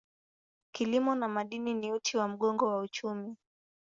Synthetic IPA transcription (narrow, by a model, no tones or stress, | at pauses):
kilimɔnamaɗininiutʰiwam̩ɠɔŋɡɔwaut͡ʃumi